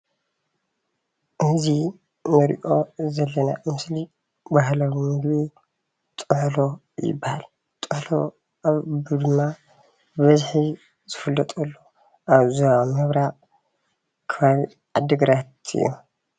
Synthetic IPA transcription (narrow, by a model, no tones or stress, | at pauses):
ʔɨzi | nɐɾḭʔo̞zɐlːɐna̰mɨsli | baɦlɐwmɨɡβi | t̪ʼɨħlo̞ | jɪ̰bːahal | t̪ʼɨħlo | aβbɨd̪ɨmːa | bɐzħi | zɨfɨlːɐt̪ʼulːo | ʔaβzɐamɨβɾa | kʰɐβaβi | ʔad̪ɨɡɾat̪ɨ̰jːu